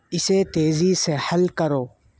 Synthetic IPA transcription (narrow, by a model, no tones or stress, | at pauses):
ɪset̪eːzisehɐlkɐɾoː